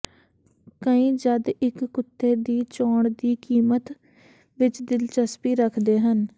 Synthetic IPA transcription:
kəĩːd͡ʒəd̪ɪkːʊt̪ʰːeːd̪iːt͡ʃɔːɳd̪iːkiːmət̪ | ʋɪt͡ʃd̪ɪlt͡ʃəspiːɾəkʰd̪eːɦən

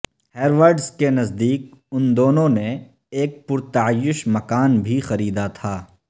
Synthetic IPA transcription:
heːɾʋəɾɖskenɐzd̪iːk̚ʊnd̪oːnõne | eːk̚pʊɾt̪aːjːʊʃmɐkaːnbʱixɐɾiːd̪at̪ʰaː

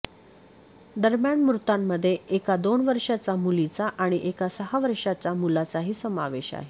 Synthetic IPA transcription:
d̪əɾmjaɳmɾut̪amːəd̪ʱːjeekad̪oɳʋəɾʂat͡samulit͡saʔaɽ̃iʔekasəɦaʋəɾʂat͡samulat͡saɦiːsəmaʋeɕa̰ɦe

